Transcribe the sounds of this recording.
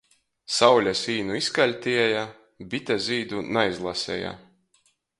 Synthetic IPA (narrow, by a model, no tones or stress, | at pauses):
sawlʲasiːnuiskalʲt̪ʲiɛja | bʲit̪ʲazʲiːd̪unajzlˠasʲɛ̰ja̰